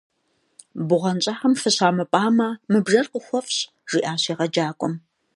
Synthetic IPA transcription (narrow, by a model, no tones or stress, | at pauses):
bʊʁɐnt͡ʃʼaːħɐmfɨɕaːmɐpʼaːmaːmɨbʐɐrqəxʷɔfɕ | ʐ̥iːʔaːɕiːʁɐd͡ʒaːkʷʼɔm